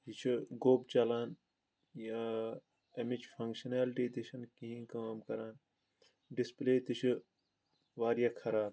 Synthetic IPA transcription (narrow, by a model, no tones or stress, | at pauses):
jit͡ʃʰiɡoːbt͡ʃɐlaːn | ja | ɐmid͡ʒpʰɐ̃ŋkʃɐnaːlʈiːt̪iʃʰɐnkiɦĩkamkɐɾaːn | ɖispleːt̪it͡ʃʰɨ | ʋaːɾjakʰɐɾaːb